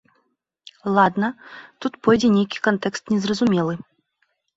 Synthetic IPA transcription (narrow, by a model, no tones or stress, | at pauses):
lˠad̪nɐt̪ut̪pɔjd͡zʲɛnʲejkʲi̥kant̪ɛkst̪nʲɛzrɐzumʲɛlˠɨ